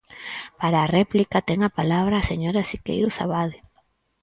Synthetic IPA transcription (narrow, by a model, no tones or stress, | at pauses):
paɾaːrɛplikat̪ɛŋapalaβ̞ɾaːseɲoɾasikḛjɾʊsa̰βaðɪ